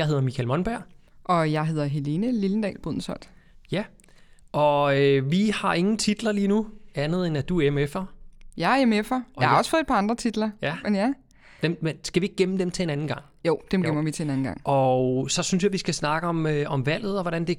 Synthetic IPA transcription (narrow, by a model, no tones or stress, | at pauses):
jɑ̈ɪɦe̝ð̞ˠɐmikʰælmɒ̽nb̥æɐ̰ | ʔɒ̽jɑ̈ɪɦe̝ð̞̰ˠɐɦe̝le̝nəlilən̩d̥ɛ̰ːlb̥oð̰ˠn̩sɒd̥ | jæ | ɒ̽øʋihɑ̈ʔe̝ŋn̩t͡sʰid̥lɐliːnuænð̞̩ˠenæd̥uemefɐjæemefɐɑhɑ̈ɒsfɔːðˠe̥d̥pʰɑ̈ɑnd̥ʁɐt͡sʰid̥lɐjæmenjæ | d̥emmensɡ̥æʋie̝ɡ̥̚eməd̥emt͡sʰe̝enænn̩ɡ̥ɑ̈ŋ̰ | joʊ̰d̥emɡem̰ɐʋit͡sʰe̝enæn̩ɡɑ̈ŋ̰ʔɒsɒ̽syns̬jɑ̈ɪʋisɡ̥æsnɑ̈ɡ̥əɒ̽møɒ̽mʋæl̰ð̞̩ˠɒʋɒɾænd̥e̝